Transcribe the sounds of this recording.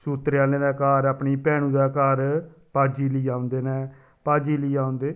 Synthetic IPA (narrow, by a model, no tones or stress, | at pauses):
suːt̪ɾaːlnẽːdaːkaːɾaːpniːpɛːɽ̃ũːd̪aːkaːɾpaːd͡ʒiːliːaːʊ̃nd̪eːnɛ̃ː | paːd͡ʒiːliːaːʊ̃nd̪eː